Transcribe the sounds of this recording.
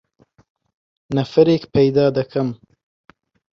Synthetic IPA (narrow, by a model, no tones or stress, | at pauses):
nafaɾekpajd̪ɑːd̪akʰam